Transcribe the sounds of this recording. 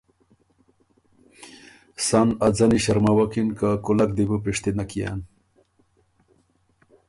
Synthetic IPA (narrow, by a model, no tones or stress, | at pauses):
sanad͡zaniɕaɾmawakinkakulak̚d̪ibupiʂt̪inakija̰n